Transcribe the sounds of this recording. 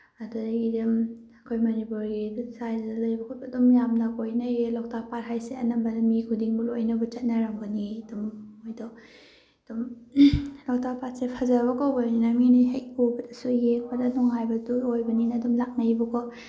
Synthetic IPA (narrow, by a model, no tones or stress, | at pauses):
ɐdudaidɐmɐkʰojmɐnipuɾɡisajddɐlɐjbɐkʰut̚bɐdumjamnɐkojnɐjelɔk̚tʰak̚patɦajseɐ̰nɐmbɐdamikʰudiŋbulojnɐbɐt͡ʃɐt̚nɐɾaŋbɐniɐdumojdɔ | d̥um | lɔk̚tapat̚sepʰɐzaβɐkawbajninaminiɦej̚ubɐdɐsujeŋbɐdɐnɔŋhajbɐduojbɐninɐːdumlak̚nɐjbɐkɔ